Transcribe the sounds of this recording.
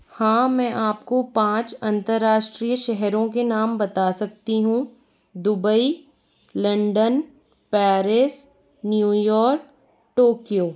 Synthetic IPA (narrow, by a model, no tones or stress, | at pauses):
hãːmɛ̃ːʔaːpkopãːt͡ʃɐ̃nt̪əɾːaːʃʈɾiːjəʃɛɦɾõk̬enaːmbɐt̪asɐk̚t̪iɦũː | d̪ʊbəi | lɐ̃ɳɖən | pɛːɾɪs | njuːjɔːɾk̚ | ʈoːkijoː